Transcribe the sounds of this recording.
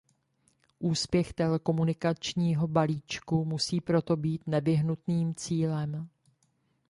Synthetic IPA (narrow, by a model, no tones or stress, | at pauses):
ʔuːspjɛxt̪ɛlɛko̞munɪkat͡ʃɲiːɦo̞baliːt͡ʃkumusiːpɾo̞t̪o̞biːt̪nɛvɪɦnut̪niːmt͡siːlɛm